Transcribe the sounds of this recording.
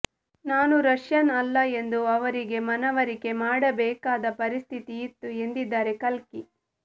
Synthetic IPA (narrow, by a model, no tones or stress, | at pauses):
naːnuɾɐʂjɐnɐlːɐe̞nd̪uɐʋɐɾiɡe̞mɐnɐʋɐɾike̞maːɽɐbɛːkaːd̪ɐpɐɾist̪ʰit̪iːt̪ːue̞nd̪id̪ːaːɾe̞kɐlki